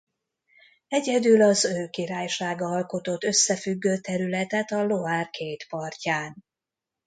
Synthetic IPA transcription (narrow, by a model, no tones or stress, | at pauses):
ɛɟɛd̪ylɒzøːkiɾaːjʃaːɡɒɒlko̞t̪o̞t̪ːø̞sːɛfyɡːøːt̪ɛɾylɛt̪ɛt̪ɒlo̞aːrkʰeːt̪pɒrcaːn